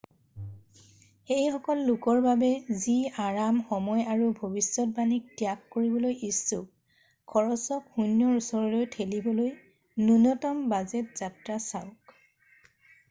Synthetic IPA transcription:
xejxɔkɔlːʊkɔɹbabɛziaɹamxɔmɔjaɹubʱobisːɔt̚banik̚tijakːoɹibɔlojʔisːuk̚ | kʰːɔɹɔsɔkxunjɔɹusɔɹɔlojtʰelibɔloj | nunɔtɔmbazɛtz̥atɹasaʊk

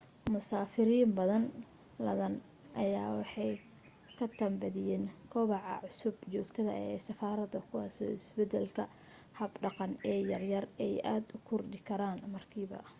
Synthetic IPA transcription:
mʊsaːfɪɾiːmbɐðɐn | lɐðɐn | ʔɐjaːwɑħɑj | kʰɐt̪ʰɐmbɐðɪjɛːnkʰɔβɑʕɑ̰ʕʊsʊbt͡ʃɔːɡt̪ʰɐðɐ̰ɛːsɐfaːɾɐðɐkʰʊwɑːsɔ̰ːɪsbɛd̪ɛlkʰɐ | hɐbɖɑqɑnɛːjɐrjɐrɛjaːd̪ʊkʰʊrd̪ɪkʰɐɾaːnmɐrkʰiːβɐ̰

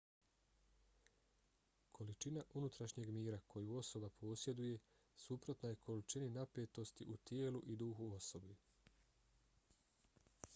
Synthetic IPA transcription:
kʰo̞lit͡ʃinaʔunut̪ɾaʃɲe̞ɡmiːɾakʰo̞juo̞so̞bapʰo̞ːsje̞d̪uje̞ | supɾo̞t̪najekʰo̞lit͡ʃininapeːt̪o̞st̪iʔut̪jeːluʔid̪uːxuo̞so̞bi

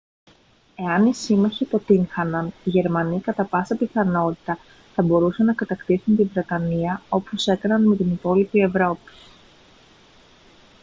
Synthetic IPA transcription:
e̞ɐnisimɐçipo̞t̪iŋxɐnɐniʝe̞ɾmɐnikɐt̪ɐpɐsɐpiθɐno̞t̪i̥t̪ɐ | θɐbo̞ɾusenɐkɐt̪ɐkt̪isunt̪ivɾe̞t̪ɐniɐo̞pose̞kɐnɐnme̞t̪inipo̞lipie̞vɾo̞pi̥

